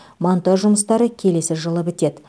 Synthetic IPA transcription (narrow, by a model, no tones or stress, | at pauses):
mont̪ɑʒʒʊməst̪ɑɾəkʲʰe̞le̞sɪʒəlˠəbɪt̪e̞d̪ɪ